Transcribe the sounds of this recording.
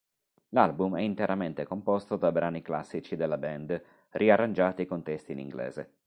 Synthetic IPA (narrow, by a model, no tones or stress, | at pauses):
lalbumɛint̪eɾʔament̪ekompɔst̪od̪abɾaːnikla̰sːit͡ʃid̪elːabɛnd̪ | rʔiarːand͡ʒaːt̪ikont̪ɛst̪inḭŋɡlɛ̰ːzḛ